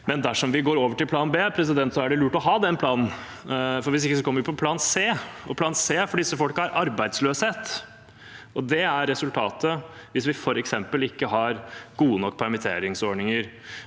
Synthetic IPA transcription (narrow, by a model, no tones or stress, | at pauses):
mɛnd̪æʂɔmʋɪɡoːɾoːʋəʈɪlpʰlɑːnbeːpʰɾɛs̬ɪd̪ɛnt̪sɔæɖɪlʉːʈɔɦɑːd̪ɛnpʰlɑːnn̩ | fɔɾʋɪs̬ɪkːəs̬ɔkʰɔmːəʋɪpʰɔpʰlɑːnseːɔpʰlɑːnseːfɔɖɪsːəfɔlkəæɾʔɑɾbæɪd̪sløːsheːt̪ | ɔd̪ɛæɾːɛsʉlt̪ʰɑːt̪əʋɪsʋɪfɔɾɛksɛmpəlɪkːəɦɑɾɡ̥uːənɔkːpʰæɾmɪt̪ʰḛːɾɪŋsɔɳɪŋəɾ